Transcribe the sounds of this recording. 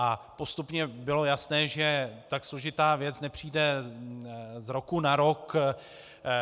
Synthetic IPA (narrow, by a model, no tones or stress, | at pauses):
ʔapo̞st̪upɲɛbɪlo̞jasnɛːʒɛt̪akslo̞ʒɪt̪aːvjɛt͡snɛpr̝̥iːdɛ | zɾo̞kunaɾok